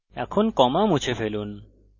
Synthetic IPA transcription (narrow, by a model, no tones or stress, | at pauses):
ɛ̰kʰonkɔmamut͡ɕʰefʰelun